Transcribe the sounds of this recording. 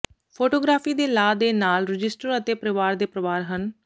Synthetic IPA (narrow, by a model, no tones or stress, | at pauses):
pʰoːʈoːɡɾaːpʰiːd̪eːlaːd̪eːnaːlɾɪd͡ʒɪsʈəɾət̪eːpəɾɪʋaːɾd̪eːpɾəʋaːɾɦən